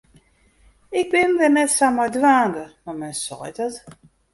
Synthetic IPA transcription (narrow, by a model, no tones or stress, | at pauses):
ɪk̚bɪndɛnɛtsamajdwaːndəmamɛnsɔ̰jdɔt